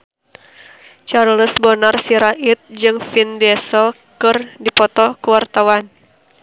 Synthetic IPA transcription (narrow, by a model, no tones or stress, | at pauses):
t͡ʃarləsbɔnarsiɾaʔit̪̚d͡ʒɨŋfindɛsəl | kɨrdipɔt̪ɔkəwart̪awan